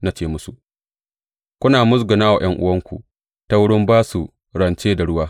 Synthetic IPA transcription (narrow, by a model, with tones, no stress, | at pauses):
na˦t͡ʃeː˦mʊ˦su˨ | kʷʊ˦naː˨mʊ˦s̬ɡʊ˨naː˦wa̰˨j̰ɐ˦ŋʔʊ̰˦wɐ˦ŋkʷṵ˨ | ta˦wʊ˦ɽɪ˦mbaː˦su˨ | ɽɐ˨nt͡ʃeː˦da˨ɽʊ˦waː˦